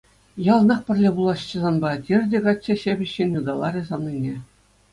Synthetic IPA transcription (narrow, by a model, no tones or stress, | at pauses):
jɑlˠnɑχpʲɘ̆rʲlʲebulˠɑɕːɘ̆zɑnbɑtʲerʲdʲeɡɑt͡ɕʲːeɕebʲɘ̆ɕːenʲjud̪ɑlˠɑɾʲĕzɑnnʲinʲe